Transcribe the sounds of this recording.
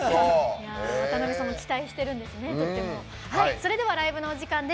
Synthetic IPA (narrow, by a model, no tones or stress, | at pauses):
jaot̪anobʲisonokʲi̥t̪aiɕi̥t̪e̞ɾɯ̟̃nd̪e̞sɨne̞t̪ot̪ʲːemo | haiso̞ɾe̞d̪e̞β̞aɾaibɯ̟no̞oʑikãnd̪e